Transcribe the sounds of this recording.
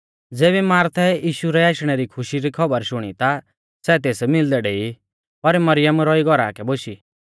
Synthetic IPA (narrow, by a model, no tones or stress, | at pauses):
d͡zeːβimaːɾt̪ʰɛjiːʃuɾɛaːʃɽ̃ɛɾikʰʊʃiɾikʰɐbəɾʃʊɽ̃it̪a | sɛt̪̬eːsmɪld̪ɛɖeːi | pɐɾmɐɾɪjəmɾɔiɡɔɾa̰ːkɛboʃi